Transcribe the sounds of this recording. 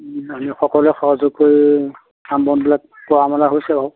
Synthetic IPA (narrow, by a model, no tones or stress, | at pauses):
amixɔkɔlɛxɔɦazʊkːoi | ambɔnbilak̚kɔamalaɦojsɛbaw